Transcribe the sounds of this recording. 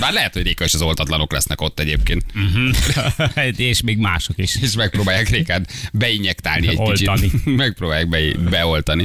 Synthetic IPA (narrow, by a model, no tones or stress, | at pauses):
baːrlɛɦɛt̪ho̞ɟreːkɛeʃɒzo̞lt̪ɒt̪lɒno̞klɛ̰snɛko̞t̪ːɛɟeːp̚keːnt̪̩ɦ̩ | eʃmeːɡma̰ːʃokiʃeːʃmɛk̚proːbaːjːaːkreːkɛd̪bɛiɲɛkt̪a̰ːlniɛckilt͡ʃit̪nimɛk̚proːbaːjaːɡ̚bɛbɛo̞lt̪ɒni